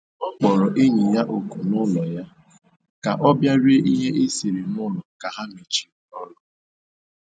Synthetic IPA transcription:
ɔ˦k͡pɔ˨ɾɔ˨ʔe˦ɲi˨ja˦ʔo˨ku˨nʊ˦lɔ˨ja˦ | ka˨ʔɔ˦bja˦ɾe˦ʔi˦ɦe˦ʔe˦si˨ɾe˨nʊ˦lɔ˨ka˨ɦa˦mi˨t͡ʃi̥˨ɔ˦lɔ˦

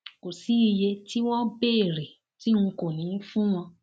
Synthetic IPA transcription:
ko˨si˨˦i˧je˧ti˦wɔ̃˦be˦e˦˨ɾe˨ | ti˦ũ˧ko˨nĩ˨˦fũ˦w̃ɔ̃˧

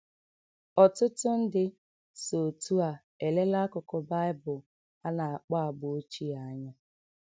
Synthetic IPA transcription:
ɔ˨tʊ˦tʊ˦n̩˦dɪ˦ | so˨tu˦a˨ | e˨le˦la˦kʊ˨kɔ˨ba˦ɪ˦bʊ˨ | a˦na˨a˨k͡pa˦a˨bʊ˨o˦t͡ʃi˦a˨˦ɲa˦

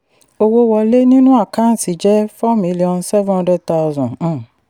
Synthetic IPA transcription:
o˧wo˧wɔ˧le˦nĩ˦nũ˦a˦˨kã˦n̩˨si˨˦d͡ʒɛ˦fa˦mĩ˧li˨ɔ̃˧nsɛ˦vɔ̃˦˧˦dɛ˦ta˦wzɔ̃˨˦˨

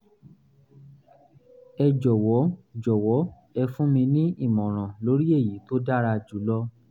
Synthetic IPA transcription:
ɛ˧d͡ʒɔ˨wɔ˨˦d͡ʒɔ˨wɔ˨˦ | ɛ˧fũ˦mĩ˧nĩ˦ʔi˦˨mɔ̃˨ɾ̃ã˨lo˨˦ɾi˦e˦˨ji˨˦to˦da˦ɾa˧d͡ʒu˨˦lɔ˦

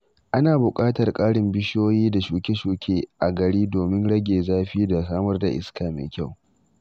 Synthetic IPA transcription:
ʔa˦naː˨bʊ˨kʼaː˦tɐ˨rkʼaː˦ɽɪ˨mbɪ˦ʃoː˦jiː˦da˨ʃuː˨kʲe˦ʃuː˨kʲʰeː˦ʔa˨ɡɐ˨ɽiː˦doː˨mɪ˦nɽɐ˦ɡʲeː˨zaː˦ɸi˦da˨saː˦mɐ˦rda̰˨ʔɪ̰˦skaː˨mḛː˨kʲa˦˨w

